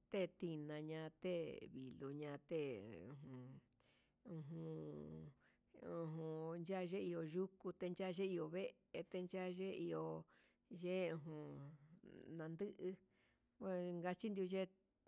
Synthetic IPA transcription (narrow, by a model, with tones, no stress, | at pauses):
t̪e˦˨t̪i˧nã˧ɲã˧t̪e˦˨βi˨lo˨ɲã˧t̪e˦˨ṵ̃˧ɦũ˧˨ | ũ˧ɦũ˧ | ũ˧ɦũ˧nd͡ʒa˦˧ʒe˦i˧o˧ʒu˦ku˧t̪e˧nd͡ʒa˦˧ʒe˦i˧o˨βe˦ʔ | e˧t̪e˧nd͡ʒa˦˧ʒe˦˧i˧o˧ | ʒe˦˧ũ˧ɦũ˧ | nã˧nd̪ɨ˦ʔɨ˧ | a˧ŋɡa˧t͡ʃi˦nd̪ju˧ʒe˦